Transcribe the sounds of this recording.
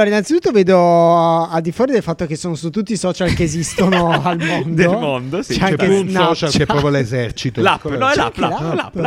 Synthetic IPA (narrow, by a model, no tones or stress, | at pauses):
loːɾainːant̪it̪ut̪ːoveːd̪o | ald̪ifwɔːɾid̪elfat̪ːokesːoːnosut̪ːut̪ːisɔːt͡ʃalkeːzist̪onoalmond̪olmond̪ost͡ʃɛaŋɛkensnɔt͡ʃalkepːɾɔvalezɛrt͡ʃit̪olakonɔɛaplap